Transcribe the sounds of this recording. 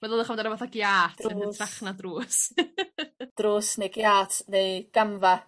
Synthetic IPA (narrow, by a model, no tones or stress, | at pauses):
maðoːðˠəχɔmndaɾabaθaɡjaːtːnətʰraχnadruːs | d̥ruːsnejɡjaːtʰnejɡ̥amva